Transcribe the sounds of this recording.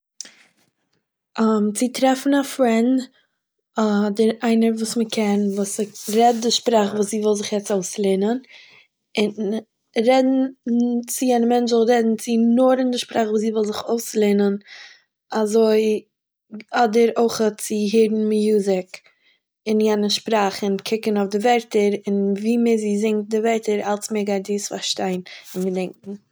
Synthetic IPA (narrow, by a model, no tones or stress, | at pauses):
amt͡sɪtɾɛfn̩afɾɛnd | adɪɾaɪnəɾvuːsməkʰɛnvuːsɾɛt̚dɪʃpɾaːχvuːsziːvɔlˠzɪχjɛt͡soʊslˠeːnən | ɪn | ɾɛdn̩t͡sɪjɛnəmɛnt͡ʃɔlˠɾɛdn̩t͡sɪnʊɾɪndɪʃpɾaːχvuːsziːvɪlˠzɪχoʊslˠeːnən | azoɪ | ɔdəɾoɪχət͡sɪɦɪɾn̩mɪjuːzɪk | ɪnjɛnəʃpɾaːχɪnkʰɪkənoʊfdɪvɛɾtəɾɪnviːmɪziːzɪŋt̚dɪvɛɾtəɾalˠsmeɡaɪt̚diːsfa̰ɾʃtaɪnɪnɡədɛŋkŋ̩